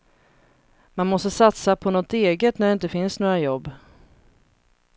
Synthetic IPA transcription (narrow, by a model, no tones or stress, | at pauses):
manmɔst̪əsat̪sapʰɔnɔt̪eːɡət̪næɖɛɪnt̪əfɪnsnoːɾajɔbː